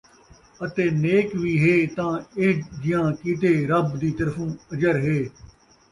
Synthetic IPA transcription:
ət̪eːneːkʋiːɦeːt̪ãːɪd͡ʒɪjãːkiːt̪eːɾəbd̪iːt̪əɾfʰũːəd͡ʒəɾɦeː

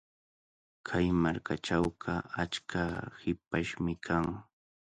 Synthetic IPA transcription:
kʰajmaɾkaʈ͡ʂawɢɑat͡ʃkʰahɪp̚aʃmɪkʰaŋ

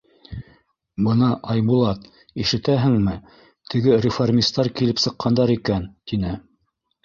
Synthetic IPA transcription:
bɤnɑʔɑjbulˠɑt̪ | iʃɘ̆t̪æɦɘ̆ŋmɘ | t̪ʰɘ̆ɡɘɾʲɪformʲist̪ɑɾkilɘpsɤ̆qːɑnd̪ɑɾikænt̪inɘ

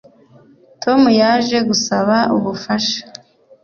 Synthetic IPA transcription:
tʰo̞mujaːʒe̞ɡusaβauβufaʃḁ

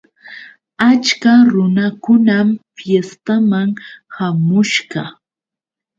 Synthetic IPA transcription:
at͡ʃkaɾʊnakʊnamfjest̪amaŋhamʊʃɢɑ

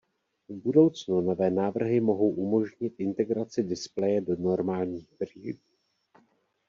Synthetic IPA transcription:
vbudo̞wt͡snuno̞vɛːnaːvr̩ɦɪmo̞ɦo̞wʔumo̞ʒɲɪt̪ʔɪnt̪ɛɡɾat͡sɪdɪsplɛjɛdo̞no̞ɾmaːlɲiːxbri

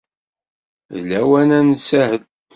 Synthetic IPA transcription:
ðlæwænænsæhəl

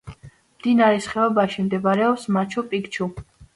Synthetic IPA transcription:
md̪̥inaɾɛsχɛabaʃimd̪ɛbaɾɛɔpsmat͡ʃʰɔpʼikt͡ʃʰu

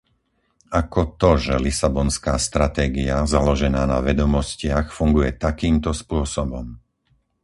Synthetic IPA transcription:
akɔt̪ɔʒɛlisabɔnskaːst̪ɾat̪ɛːɡiazalɔʒɛnaːna̰ʋɛd̪ɔmɔscɪaxfuŋɡujɛt̪akiːmt̪ɔspʊɔsɔbɔm

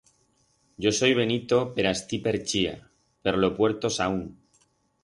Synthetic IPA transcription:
ɟ͡ʝo̞so̞jβ̞e̞nit̪o̞pe̞ɾast̪ipe̞ɾt͡ʃia̰ | pe̞ɾlo̞pwe̞ɾt̪o̞sauŋ

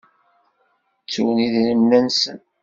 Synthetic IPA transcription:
t͡sːuwəniðləmnænsə̰n

